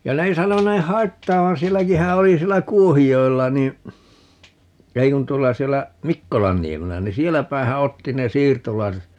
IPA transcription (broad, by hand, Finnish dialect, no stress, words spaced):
jɑ ne ei sɑnoneːh̆ hɑitːɑːʋɑn sielːækihæ oli sielːæ kuohijoelːɑ ni ei kun tuolːɑ sielːæ mikːolɑnːiemelːæ ni sielæpæehæ otːi ne siːrtolɑiset